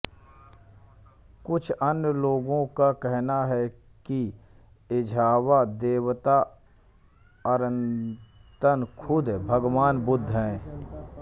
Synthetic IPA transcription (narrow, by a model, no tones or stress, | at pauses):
kʊt͡ʃʰɐnjloːɡõkakɛɦnaɦɛ | ki | ɪd͡ʒʱaːwad̪eːwt̪a | əɾə̃nt̪ənkʰʊd̪bʱəɡʋaːnbʊd̪ʱɦɛ̃ː